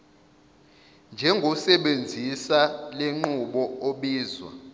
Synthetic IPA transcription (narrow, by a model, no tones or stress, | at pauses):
nd͡ʒʱɛŋɡʱɔsɛɓend͡zʱisaleŋ͡ǃuɓɔoɓiːzwa̰